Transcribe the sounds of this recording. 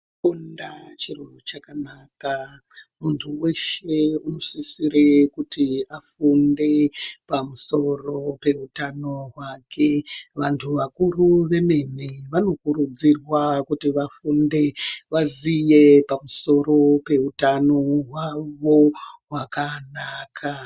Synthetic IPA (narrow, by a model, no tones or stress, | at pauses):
undat͡ʃirot͡ʃakanaka | muntʰuwe̞ʃe̞uno̞sisiɾekutiafunde̞pamuso̞ro̞pe̞utano̞ɦwakʰe̞ʋantʰuʋakuruʋe̞me̞neʋano̞kuɾud͡zirwakutiʋafunde̞ʋazije̞pamuso̞ɾo̞pe̞utano̞ɦwaʋo̞ɦwakanakʰa